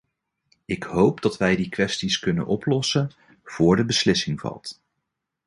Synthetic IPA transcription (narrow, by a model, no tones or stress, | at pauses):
ɪkɦowpdɑtʋɛjdikʋɛstiskɵnə̰nʔɔplɔsən | v̥ʊːɹdəbəslɪsɪŋvɑ̰lˠt